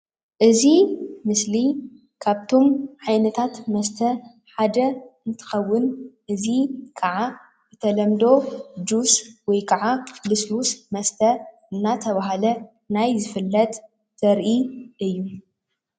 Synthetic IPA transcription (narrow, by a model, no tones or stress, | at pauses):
ʔɨzimɨsli | kʰaβt̪ʰo̞mʕajnɐt̪ʰat̪mɐst̪ʰɐ | ħad̪ɐɨnt̪ʰɨ̥xɐwːʊnʔɨzikʰɐʕa | zɨt̪ʰɐlɐmd̪o̞d͡ʒ̪uswɔjkʰɐʕalɨslusmɐst̪ʰɐ | ɨnːat̪ʰɐβaɦalɐ | najzɨfɨlːɐt̪ | z̥ɐɾʔiʔɨjːu